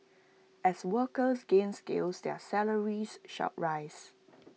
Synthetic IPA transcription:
ɛswəkəsɡẽnskḛlsdɛ̰sɛləɹisʃa̰t̚ɹaɪs

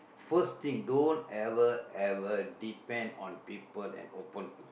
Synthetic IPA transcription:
fəst̪ĩŋdõntɛvəɛvədipɛ̃ndɔ̰̃npipəlɛ̰̃nopə̃n

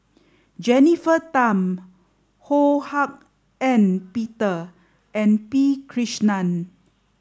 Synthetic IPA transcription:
d͡ʒɛnifətãm | hohak̚ | ɛ̃npitə | ɛ̃npikʰɹiʃnãn

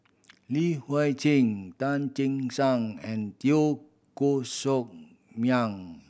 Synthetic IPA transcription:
lihwajt͡ɕʰiŋtant͡ʃɪŋsaŋɛ̃ntio | kosok̚ | mjaŋ

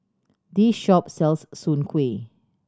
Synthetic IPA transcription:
disʃɔp̚sɛlsːũnkʰwe

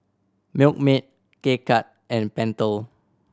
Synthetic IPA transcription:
mik̚mit̚ | kekʰat̚ʔɛ̃npɛ̃ntəl

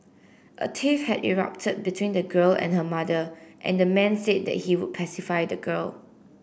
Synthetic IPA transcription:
ʔə̰tʰifhɛdḭɹa̰p̚tʰəd̚bitʰwĩndəɡəlɛ̰̃nɦəmadəʔɛ̰̃ndəmɛ̃nsed̚dɛ̰t̚hiwud̚pʰɛsifajdəɡəl

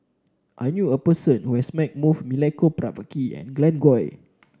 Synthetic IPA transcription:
ʔajnjuəpəsə̃nhuɛsmɛ̃k̚mufmilɛkopɹavəkiɛ̰̃nɡlɛ̃nɡɔj

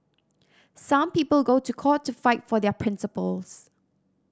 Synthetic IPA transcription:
sãmpiːpəlˠɡotukʰɔtʰːufaɪtfɔdɛpʰɹɪ̃nsəpəls

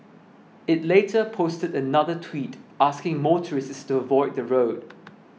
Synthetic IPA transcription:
ɪtleːtʰəpʰostədənaðətʰwitʔaskɪ̃ŋmɔːtʰəɹɪsstuəvɔɪd̚ðəɹoʊd̥̚

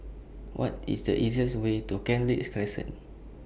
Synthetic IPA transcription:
wʔɔ̰tḭsdəʔiziəswetukɛ̃nɹitkɹɛsə̰̃n

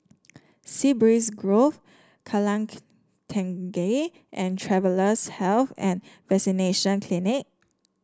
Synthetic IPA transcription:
sibɹisɡɹof | kʰalãŋ | tʰɛ̃ŋɡe | ʔɛ̃ntʰɹɛvələshɛlθɛ̃nvɛsineʃə̃nkʰlinɪk̚

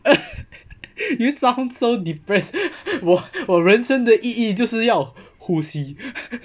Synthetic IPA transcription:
jusaʊ̃nsoʊdipɹɛswɔwɔɹənsəŋd̪əʔiit͡ɕjoʊʂɻ̩jɑʊ | husi

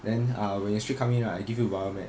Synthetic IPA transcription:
dɛ̃nʌwɛ̃nəstɹikʰãm̃ŋ̃naaɪɡivjuwamɛ̰̃

